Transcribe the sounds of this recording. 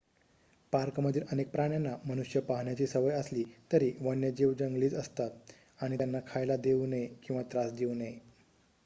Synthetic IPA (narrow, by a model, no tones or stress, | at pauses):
paɾkməd̪ʱiːɾʔənek̚pɾaɳjanːaməñuɕjəpaɦɳjat͡ɕiːsəʋəjəsliːt̪əɾiːʋənjəd͡ʑiʋd͡ʑəŋɡliːt͡səst̪at̪̚ | aɽ̃it̪janːakʰajlad̪eunəjkĩw̃ʋat̪ɾasd̪eunəj